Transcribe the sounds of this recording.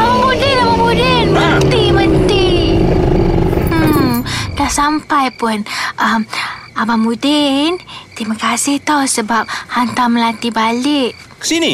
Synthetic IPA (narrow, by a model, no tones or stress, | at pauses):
abamudɪnabamudɪnmənt̪imənt̪i | dahsampajpʊnʔəm | abamudɪnt̪imakasɪht̪awsəbap̚hant̪aməlant̪ibalɪʔ | kə̥sini